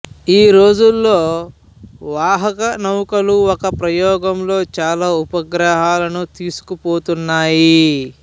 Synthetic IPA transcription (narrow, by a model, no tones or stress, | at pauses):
iːɾo̞ːd͡ʒulːo̞ː | ʋaːɦɐkɐnɐwukɐluɔkɐpɾɐjɔːɡɐmlo̞ːt͡ʃaːlaːupɐɡɾɐɦaːlɐnut̪iːsu̥kupoːt̪unːaːji